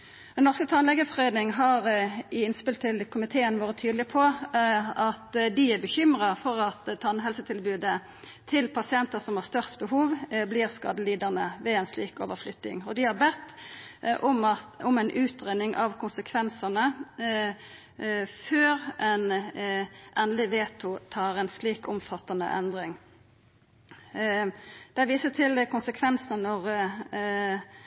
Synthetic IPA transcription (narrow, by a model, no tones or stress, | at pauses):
d̪̥ɛnnɔʁskət̪ʰɑnlɛɡəfʁɛːd̪nɪŋɦɑʁɪɪnspɪlt̪ʰɪlkʰʊmɪt̪ʰeːənʋoːʁət̪ʰyːd̪lɪpʰɔ | ɑt̪d̪ɪæbəçʏmɾɑfɔʁɑt̪t̪ʰɑnːɦɛlsət̪ʰɪlbʉːd̪ə | t̪ʰɪlpʰɑsɪɛnt̪əsɔmhɑʁst̪œʁst̪bəhuːʋbliːʁskɑ̰ːd̪əliːd̪əʁnəʋɛɛnsliːko̰ːʋəflʏt̪nɪ̰ŋɔd̪ɪhɑɾbɛt̪ːʔʊmɑʊmɛnʔʉːt̪ʁeːnɪŋʔɑ̰ʋkʰʊnsəkʰʋɛnsənə | føːʁɛn | ʔɛnlɪʋeːt̪ʰʊt̪ʰɑːʁɛnsliːkɔmfɑt̪ːɑnə̰ʔɛ̰nd̪ʁɪŋ | d̪̥ɛæʋiːsət̪ʰɪlkʊnsəkʰʋɛnsnənɔʁ